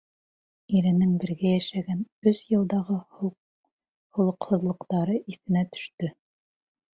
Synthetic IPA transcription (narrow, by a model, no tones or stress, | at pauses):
iɾɘ̆nɘŋbɘ̆ɾɡæjæʃæɡænɵzjɤ̆lˠd̪ɑʁɤh | hŏlˠɤ̆qhŏðlˠɤ̆qt̪ɑɾɤʔiθɘ̆næt̪ɵ̥̆ʃt̪ɵ